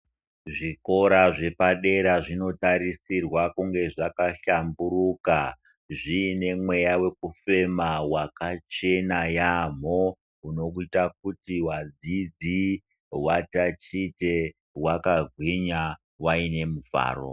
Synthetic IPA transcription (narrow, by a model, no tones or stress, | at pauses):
ʐiko̞ɾaʐe̞paɗe̞ɾaʐino̞taɾisirwakuŋɡe̞ʐakaɬamburuka | ʐiːne̞mwe̞jawe̞kufe̞mawakat͡ʃe̞najam̤o | uno̞kuitak̚utiwad͡zid͡zi | watat͡ʃite̞ | wakaɡʱwiɲa | waine̞muva̰ːro̞̰